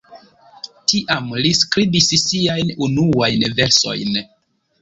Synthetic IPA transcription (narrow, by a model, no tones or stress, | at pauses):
tiʔamliskɾibissiajnunuajnve̞ɾso̞̰jn